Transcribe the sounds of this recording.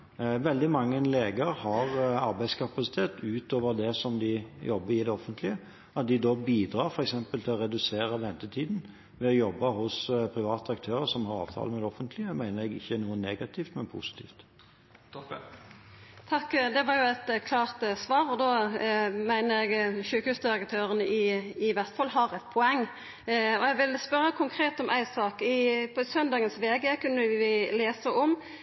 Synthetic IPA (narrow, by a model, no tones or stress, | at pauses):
ʋɛld̪ɪmɑŋːəleːɡəɾhɑʁɑɾbæɪskʰɑpɑsɪt̪ʰeːt̪ʉːt̪oːʋəʁd̪ɛsɔmd̪ɪjɔbːəɾɪd̪ɛɔfːənt̪ʰlɪə | ɑt̪̚d̪ɪd̪ɔːbiːd̪ɾɑːɾfɔɾɛksɛmpəlt̪ʰɪlɔɾɛd̪ʉseːɾəʋɛnt̪ət̪ʰiːd̪n̩ | ʋɛɔjɔbːɑɦʊspʰɾɪʋɑːt̪əɑk̚t̪ʰøːɾəsɔmhɑɾɑ̰ːʋt̪ʰɑ̰ːləmɛd̪ɛɔfənt̪ʰlɪəmæɪnəɾɛɡɪ̰çːənuːənːeːɡɑt̪ʰiːft̪mɛnpʰʊ̰sɪ̥t̪ʰḭːft̪ | t̪ʰɑkːd̪ɛʋɑɾjʊæɛɪt̪kʰlɑːʁt̪sʋɑːɾɔd̪oːmæɪnəɾɛɡʃʉːkhʉːsd̪ɪɾəkt̪ʰøːɾənəʔɪːʋæʁt̪fɑlːɦɑʁɛt̪̚pʰɔɛŋː | ɔɛɡʋɪlspœɾːəkʰʊŋkʰʁeːt̪ɔmʔæɪsɑːkɪpʰɔsœnd̪ɑːɡənsʋeːɡəkʰʉnːəʋɪleːsəʔɔm